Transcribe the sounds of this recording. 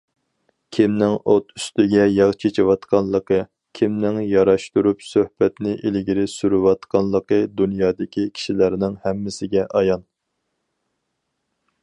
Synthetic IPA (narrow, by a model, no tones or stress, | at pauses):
kʲʰimnɪŋot̪ʰyst̪ɪɡʲɛjɑʁt͡ʃʰet͡ʃʰɪwɑt̪qʰɑnlˠəqə | kʲʰimnɪŋjɑɾɑʃt̪uɾupsøhb̥ɛt̪nɪʔelɡʲiɾɪsyɾywɑt̪qɑnlˠəqəd̪unjɑːd̪ɪkʲʰikʲʰi̥ʃilæɾnɪŋhɛmːɪsɪɡʲɛʔɑjɑn